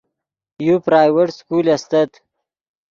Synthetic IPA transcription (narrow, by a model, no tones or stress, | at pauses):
jupɾaːjweʈskuːlɐst̪ɐt̪